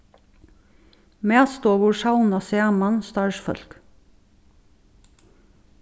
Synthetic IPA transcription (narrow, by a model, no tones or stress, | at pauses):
meːst̪oːʋʊɹʃɑʊnɑseːmɑnst̪ɑːɹʃfœ̰lk